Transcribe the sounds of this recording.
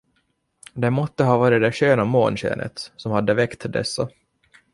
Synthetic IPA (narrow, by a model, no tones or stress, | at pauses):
d̪ɛmɔt̪ːəɦɑːvɑːɾɪd̪ɛɕøːnamo̰ːnɕḛːnʔə̰t̪sɔmhad̪ːəvɛkt̪ʰːd̪ɛ̰sːa